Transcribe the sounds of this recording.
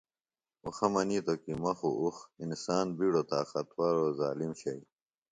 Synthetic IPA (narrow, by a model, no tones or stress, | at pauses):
uxɐmɐnit̪okimɐxṵʔuxinsaːnbiːɽot̪aːxɐt̪ʰwaɾozaːlimɕɐi